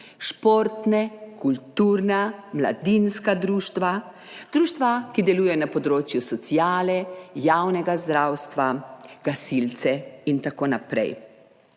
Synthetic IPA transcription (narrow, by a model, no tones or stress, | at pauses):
ʃpoɾt̪nɛkult̪uːɾnamla̰d̪inskad̪ɾuːʃt̪ʋa | d̪ɾuːʃt̪ʋakid̪ɛlujɛjɔnapɔd̪ɾoːt͡ʃjusɔt̪sijaːlɛjaːwnɛɡazd̪ɾaːwst̪ʋaɡ̥asilt̪sɛint̪akoːnapɾɛ̰j